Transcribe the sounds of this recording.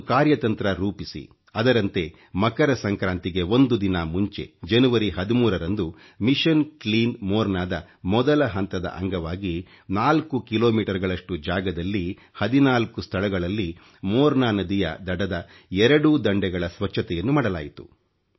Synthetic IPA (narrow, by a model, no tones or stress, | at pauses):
kaːɾjɐt̪ɐnt̪ɾɐɾuːpisḭ | ɐd̪ɐɾɐnt̪e̞ | mɐkɐɾɐsɐŋkɾaːnt̪iɡe̞ond̪ud̪inɐmuɲt͡ʃe̞̰d͡ʒɐnuʋɐɾiɦɐd̪imuːɾɐɾɐnd̪u | miʃɐnkliːnmoːɾnaːd̪ɐ | mɔd̪ɐlɐɦɐnt̪ɐd̪ɐ̰ʔɐ̰ŋɡɐʋaːɡi | naːlkukiloːmiːʈɐɾɡɐɭɐʂʈud͡ʒaːɡɐd̪ɐlːi | hɐd̪inaːlkust̪ʰɐɭɐɡɐɭɐlːi | moːɾnaːnɐd̪ijɐ̰d̪ɐɽɐd̪ɐ | ɛɾɐɽud̪ɐɳɖɛɡɐɭɐsʋɐt͡ʃːʃʰːɐt̪ɛjɐnːumaːɽɐla̰ːjit̪u̥